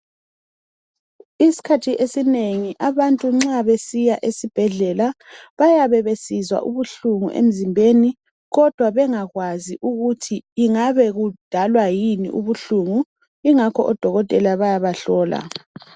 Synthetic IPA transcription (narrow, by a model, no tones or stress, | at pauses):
isi̥kʰatʰiʔesineŋiʔaβantʼuŋ͡ǁaβesijaʔesib̥ʱɛɮɛlaβajaβɛβesizwa̰ʔuβuɬuŋṵʔḛm̩zimbʱeni | ɣɔd̥ʱwaβɛŋaɣwaziʔuɣutʰiiŋaβɛɣud̥ʱalwajinḭʔṵβuɬuŋu | iŋakʰɔ̰ʔɔd̥ʱɔɣɔtʼɛlaβajaβaɬɔːla̰